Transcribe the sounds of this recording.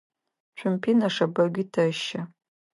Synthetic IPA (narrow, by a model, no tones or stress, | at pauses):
t͡ɕʷʰʊmpʰinɐʂɐbɐɡʲʷitʰɐʃɐ